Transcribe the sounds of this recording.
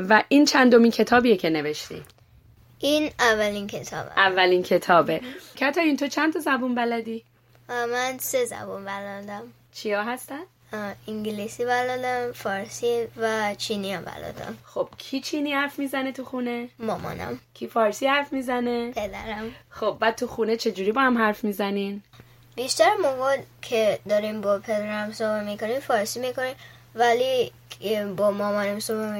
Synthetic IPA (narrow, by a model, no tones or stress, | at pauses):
væʔiːnt͡ʃʰænd̪o̞mincʰe̞t̪ʰɒːbiːjecʰene̞ve̞ʃt̪ḭː | ʔinævːælinkʰet̪ʰɒ̰ːbæ̰ævːælincʰe̞t̪ʰɒːbecʰæt̪ʰɒint̪ʰot͡ʃʰænt̪ʰɒzæbunbælæd̪iː | mænsezæ̰bunbælɔd̪æm | t͡ʃʰijɒːɦæst̪æn | iŋɡlisibælɔd̪æmfɒɾsivæt͡ʃʰiniabæ̰lɒ̰d̪æ̰mxob̥kʰiːt͡ʃʰiniːhæɾfmiːzænet̪ʰuxuːne̞ːɒːmɒ̰næ̰mkʲʰifɒːɾsiːhæɾfmiːzæne̞pʰed̪æɾæmxob̚bæːd̪̚t̪ʰuxuːnet͡ʃʰe̞d͡ʒuːɾibɒːhæmɦæɾfmiːzænin | biʃt̪æɾmoɡɔd̪kʰed̪ɒɾimbɔpʰed̪æɾæmsobamikonimfɒːɾsimikonim | væli | bɔmɒmɔːnamsobe